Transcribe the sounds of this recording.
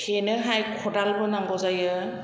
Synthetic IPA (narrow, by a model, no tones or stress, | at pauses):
kʰenɯɦajkʰɔdalbɯnaŋɡɔzajɯ